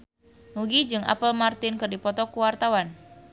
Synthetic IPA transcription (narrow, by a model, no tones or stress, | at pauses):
nuɡid͡ʒɨŋʔa̰pəlmart̪ɪnkɨrdipɔt̪ɔkuwart̪awan